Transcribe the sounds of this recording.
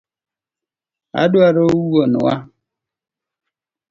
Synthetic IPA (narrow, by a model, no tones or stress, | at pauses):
a̰duaɾowuonʊ̰wa